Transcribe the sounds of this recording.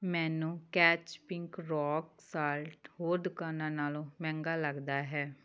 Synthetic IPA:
mɛ̃ːnũːkɛːt͡ʃpɪŋkɾɔːksaːlʈhoːɾd̪kənãːnaːlõːmɛ̃ːŋɡaːləɡd̪aːɦɛː

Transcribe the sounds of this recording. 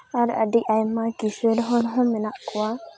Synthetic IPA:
aɾa̰diʔajmːakisedɦonɦominaʔkuwa

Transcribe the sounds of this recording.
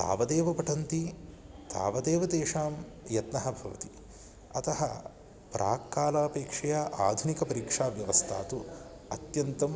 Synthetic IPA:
t̪a̰ːʋɐd̪eːʋɐpɐʈʰɐnt̪i | t̪a̰ːʋɐd̪eːʋɐt̪eːʂaːm | jɐt̪nɐɦɐbʱɐʋɐ̰t̪i̥ | ɐt̪ɐɦɐ̰ | pɾa̰ːkːaːlaːpeːkʂɐjaːʔa̰ːd̪ʱunikɐpɐɾikʂaːʋjɐʋɐst̪ʰa̰ːt̪u | ɐt̪jɐnt̪ɐm

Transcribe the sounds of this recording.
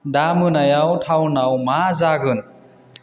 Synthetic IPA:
damɯnajawtʰawnawmazaɡɯn

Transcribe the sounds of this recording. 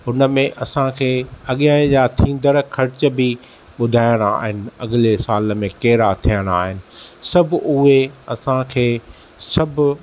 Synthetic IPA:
ʊnəmẽʔɐsãkʰeːɐɠɪjãːd͡ʑaːt̪ʰĩːn̆d̪əɾkʰɐɾɪt͡ɕəbi | ɓʊd̪ʱaːjə̃ɽ̃a̰ːɦɪnɪ̆ɐɠɪlesaːlmẽkeːɾat̪ʰijə̃ɽ̃aːɦɪnɪ̆sɐbʱʊɦeɐsãkʰeː | sɐbʱʊ

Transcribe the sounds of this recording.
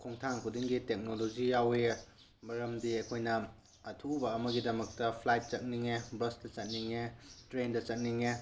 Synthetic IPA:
kʰoŋtʰaŋkʰudiŋɡitek̚nolod͡ʒijawe | bɐɾɐmdiɐkʰojnɐ | ɐtʰubɐːmɐɡidɐmɐk̚tɐpʰlajt̚t͡ʃɐt̚niŋebɾɐsdɐt͡ʃɐt̚niŋetɾendɐt͡ʃɐt̚niŋe

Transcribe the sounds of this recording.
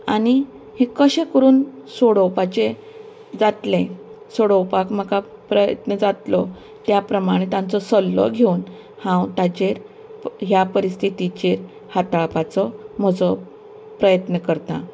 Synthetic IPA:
a̰ɽ̃i | hẽkəɕẽkəɾuːnsoɽɔwpat͡ɕe | d͡zat̪le | soɽɔwpakm̤əkapɾəjə̰t̪nəd͡zat̪lɔ | t̪japɾəmaɽ̃it̪ãnt͡sɔsəlːɔ̰ɡʱeun | hãwt̪at͡ɕeɾ | ɦjapəɾist̪ʰit̪it͡ɕeɾ | hat̪aɭpat͡sɔm̤əd͡zɔ | pɾəjət̪nəkəɾt̪a̰

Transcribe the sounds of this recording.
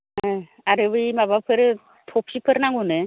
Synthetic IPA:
a | aɾɯbɯimabapʰɯɾɯ | t̪ʰop̚ɕipʰɯɾnaŋɡunɯ

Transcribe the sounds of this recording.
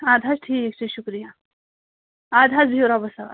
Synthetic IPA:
ad̪ʱasʈʰiːkek̚t͡ɕeɕukɾija | ad̪ʱat͡sbʱiwɾabəsaa̰

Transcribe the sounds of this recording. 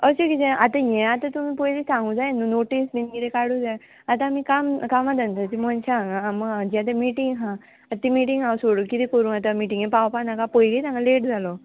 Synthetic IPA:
əɕekit̪ɛ̃at̪ajɛ̃at̪at̪umipəjlisãŋɡud͡zajnunoʈisbinkit̪ɛkaɽuːd͡zaj | at̪̬ãmikamkamat̪ant̪at̪imɔnt͡ɕaaŋɡaːmd͡ʑiat̪amiʈiŋɡɦã | at̪ːimiʈiŋɡawsoɽukit̪ikəɾũːnat̪̬amiʈiŋjẽpawpanãkapəjlit̪ãŋɡaleʈd͡zʱalɔ

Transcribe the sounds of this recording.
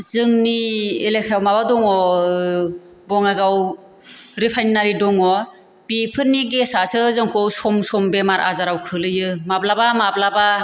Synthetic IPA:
zɯŋnielekʰjawmabadɔŋɔ | bɔŋajɡaw | ɾipʰajnnːaɾidɔŋɔ | b̥ipʰɯɾniɡesasɯzɯŋkʰɔwsɔmsɔmbemaɾʔa̰zaɾawkʰɯlɯjɯmablabamablaba

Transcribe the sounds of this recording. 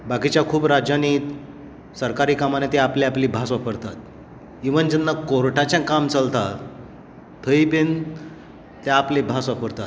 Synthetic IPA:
bakit͡ɕjakʰuːbɾad͡ʑjani | səɾkaɾiːkamanet̪eapleapliːbʱasʋapəɾt̪at̪ | iʋənd͡ʑənːakoɾʈʰat͡ɕjãkamt͡səlt̪a | t̪ʰəiben | t̪aaplebʱasʋapəɾt̪at̪

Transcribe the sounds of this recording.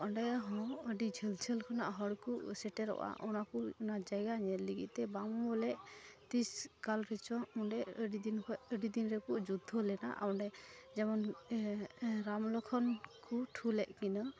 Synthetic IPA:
ʔɔɳɖɛɦɔ̃əɖid͡ʒʰɛlt͡ʃʰəlkʰanaʔɦɔɽkuʔsɛʈɛɾɔ̰ʔa̰ʔɔnakunad͡ʒajɡaɲɛliɡḭʔ̪̚t̪ɛbamɔbɔlɛʔt̪iskalɾɛt͡ʃɔuɖɛəɖid̪inəɖid̪inɾɛkuʔd͡ʒud̪ʱɔlɛna̰ʔa̰ɔɳɖɛd͡ʒɛmɔn | ɾamlɔkʰɔnkuʈʰulɛʔkinɔ

